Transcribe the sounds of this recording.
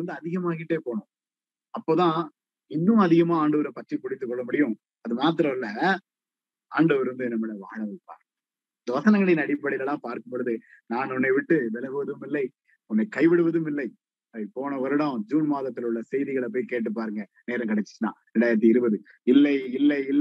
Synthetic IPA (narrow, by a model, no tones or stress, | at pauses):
ɾɐnd̪ɯɐðɪɣɐmaːɣɪʈːeːpoːɳʊ̃ | ɐpːoːt̪ãː | ɪnːʊ̃ɐðɪɣɐmaːaːɳɖɐʋɐɾɐpɐʈːɾipʊɽɪt̪ːɯkːɔɭːɐmʊɽɪjʊ̃ | ɐðɯmaːt̪ɪɾɐɪlːɐ | aːɳɖɐʋɐɾɾɯnd̪ɯɛnːɐmɛnːɐʋa̰ːɳɐʋɪpːa̰ːɾ | ɪnd̪ɐʋɐsɐnɐŋɡɐɽɐjnɐɽɪpːɐɽɪlɐlãːpaːɾkɯmbɔɽɯðɯ | naːnɔnːɐɪʋɪʈːɯʋɛlɐɣɯʋɐðɯmɪlːɐɪ | ɔnːɐɪkɐɪʋɪɽɯʋɐðɯmɪlːɐɪ | ɐipoːɳɐʋɐɾɐɽɐ̃ːd͡ʒuːnmaːðɐt̪ːɪlʊɭːɐsɛjðɪɣɐɭɐp̬oːjkeːʈ̬ːɯpːaːɾɯŋɡɐ | neːɾɐ̃kɐɽɛt͡ʃːɪ̥t͡ʃːɯnã̰ːɾɛɳɖaːɪɾɐt̪̬ːiɪɾɯbɐðɯ | ɪlːɐɪɪlːɐɪɪlː